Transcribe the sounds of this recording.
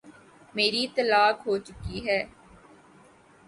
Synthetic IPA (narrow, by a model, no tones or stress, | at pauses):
meːɾiːt̪əlaːkɦoːt͡ʃʊkiːɦɛː